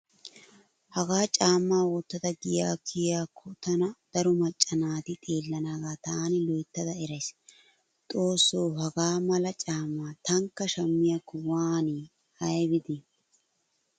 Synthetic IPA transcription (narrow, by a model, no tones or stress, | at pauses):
hɐɡaːt͡ʃʼaːmːaːwɔt̪ːɐd̪ɐɡɪjaːkʰɪjaːkʰːɔt̪ɐnɐd̪̥ɐɾʊmɐt͡ʃʼːɐnaːt̪ɪt̪ʼeːlːɐnaːɡaːt̪aːnɪlɔjt̪ːɐd̪ɐɛɾɐjs | t̪ʼo̞ːsːoːɦɐɡaːmɐlɐt͡ʃʼaːmːaːt̪ɐŋkːɐʃɐmːɪjɐkʊwaːni | ɐjbɪd̪ɪ